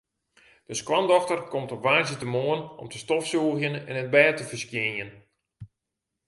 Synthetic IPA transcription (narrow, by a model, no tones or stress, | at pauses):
d̥əskwandɔxtərkɔmtɔpʋaːzjətəmoənɔ̰mtəstɔfsuəxjənɛ̰nət̚bɛːtəfərskjɪnjən